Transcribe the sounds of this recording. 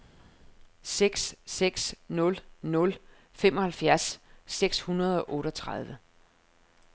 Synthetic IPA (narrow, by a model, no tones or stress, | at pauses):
seɡ̥sːeɡ̥snɔ̽lnɔ̽l | fem̰ɒ̽hælfjæɐ̰sːeɡ̥shunɐð̞ˠɒ̽ʔɔ̽ːɾɒt͡sʰʁɑð̞ˠʋə